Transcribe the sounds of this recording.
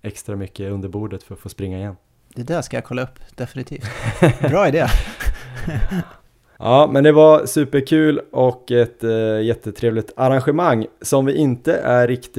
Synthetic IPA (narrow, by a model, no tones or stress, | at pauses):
ɛkst̪ɾamʏkːəɵnd̪əɾbuːɖət̪fœɾɔt̪foːspɾɪŋːaɪjɛnː | d̪̥ɛd̪æʂkajakʰɔlːaɵpːd̪̥ɛfɪnɪt̪ʰiːft̪bɾɑːɪd̪eː | ɑːmɛnd̪ɛvaɾsʉ̟ːpəɾkʰʉ̟ːlɔkːɛt̪jɛt̪ːət̪ʰɾeːvlɪt̪ʰaɾanɧɛmaŋːsɔmvɪʔɪnt̪əʔæːɪkt̪